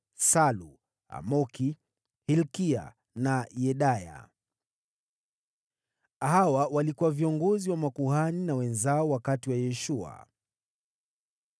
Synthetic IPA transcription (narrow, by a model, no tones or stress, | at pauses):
salu | a̰mɔki | hilkia̰ | najɛɗaja̰ | hawawalikuwaviɔŋɡɔziwamakuhaninawɛnzaɔwakatiwajɛʃua̰